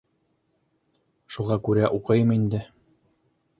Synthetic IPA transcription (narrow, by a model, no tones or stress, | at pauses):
ʃuʁɑkʉɾæʔuqɤjɤmind̪ɘ